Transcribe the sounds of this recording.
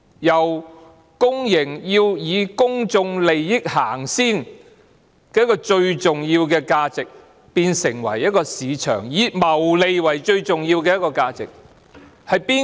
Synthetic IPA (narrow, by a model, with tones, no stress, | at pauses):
jɐ˨˩w | kʊ˥ŋjɪ˨˩ŋjiː˧wjiː˨˧kʊ˥ŋt͡sʊ˧ŋle˨jːɪ˥k̚haː˨˩ŋsiː˥n | kɛː˧jkɔː˧t͡ʃɵ˧ɥt͡sʊ˨ŋjiː˧wkɛː˧kaː˧t͡sɪ˨k̚ | piː˧nsɪ˨˩ŋwɐ̰˨˩jɐ˥t̚kɔː˧siː˨˧t͡ʃʰœ̰ː˨˩ŋjiː˨˧mɐ˨˩wle˨jwɐ˨˩jt͡ʃɵ˧ɥt͡sʊ˨ŋjiː˧wkɛː˧jɐ˥t̚kɔː˧kaː˧t͡sɪ̰˨k̚ | hɐ˨jpiː˥